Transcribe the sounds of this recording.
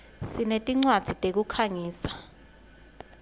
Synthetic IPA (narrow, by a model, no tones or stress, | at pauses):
sinetʼiŋ͡ǀwad̥ʱitʼek̬ukʰaŋiːsḁ